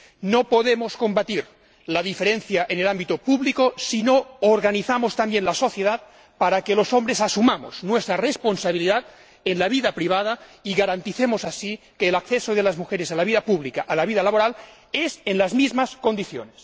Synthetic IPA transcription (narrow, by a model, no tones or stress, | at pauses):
nopoðemosko̞mbat̪iɾ | laðifeɾenθjaʔenelambit̪opuβlikosinooɾɣaniθamost̪ambjenlaso̞θjeðat̪̚ | paɾakelosombɾesasumamo̰znwest̪ɾaresponsaβiliðat̪ | enlaβiðapɾiβ̞að̞aiɣaɾant̪iθemosasi | keːlakθesoðelazmuxeɾesalaβiðapuβlikaʔalaβiðalaβoɾal | ezenlazmizmaskond̪iθjo̰nes